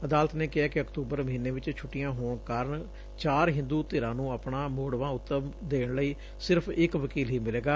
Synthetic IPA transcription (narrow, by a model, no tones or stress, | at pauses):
əd̪aːlət̪neːkɪɦaːkɪəkt̪uːbəɾməɦiːnːeːʋɪt͡ʃt͡ʃʰʊʈːɪjãːɦoːɳkaːɾəɳ | t͡ʃaːɾɦɪ̃nd̪uːt̪eːɾãːnũːəːpɳãːmoːɽʋãːʊt̪ːəmd̪eːɳləiː | sɪɾpʰɪkʋəkiːlɦiːmɪleːɡaː